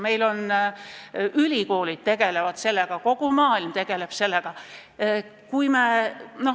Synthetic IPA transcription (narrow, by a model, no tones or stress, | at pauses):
me̞jlo̞n | ylʲiko̞ːlid̪̚t̪e̞ɡ̥e̞levɑd̪̥se̞lːe̞ɡ̥ɑko̞ɡ̥umɑːilmt̪e̞ɡ̥e̞le̞b̥se̞lːeɡ̥ɑ | kujmeno̞